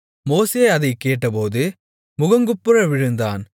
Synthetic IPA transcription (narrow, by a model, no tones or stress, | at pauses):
moːseːɐðɐɪkːeːʈːɐpoːðɯ | mʊɣɐŋɡɯpːɯɾɐʋɪɻɯnd̪a̰ːn